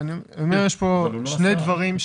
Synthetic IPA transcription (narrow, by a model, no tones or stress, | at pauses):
niomejeʃpoʃne̞jd̪vɐʁimʃ